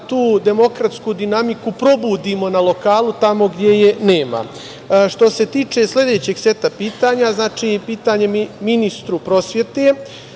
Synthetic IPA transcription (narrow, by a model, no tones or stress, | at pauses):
t̪uːd̪e̞mo̞kɾat̪skud̪inamikupɾo̞buːd̪imo̞nalo̞kaːlut̪amo̞ɡd̪je̞je̞neːma̰ | ʃt̪o̞se̞t̪iːt͡ʂe̞sle̞d̪e̞ːt͡ɕeɡse̞t̪apiːt̪aːɲaznaːt͡ʂiːpiːt̪aɲe̞mminist̪ɾupɾo̞sje̞t̪e